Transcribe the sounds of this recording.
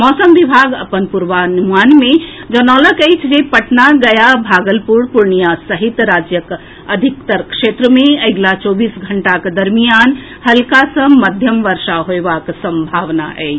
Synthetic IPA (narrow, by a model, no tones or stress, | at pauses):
mɔsəmʋibʱaɡə̰pənpuɾʋanuanmed͡ʒənɔləkəjt͡ʃʰd͡ʒepəʈnaɡəjabʱaɡəlpuɾpuɾnijasəɦit̪ɾad͡ʒjək | əd̪ʱikt̪əɾkʃet̪ɾəmeəɡlat͡ʃɔbisɡʱəɳʈakd̪əɾmijan | həlkasə̃məd̪ʱjəmʋəɾʃaɦoebaksə̃mbʱaʋna̰ʔə̰ɪt͡ʃʰ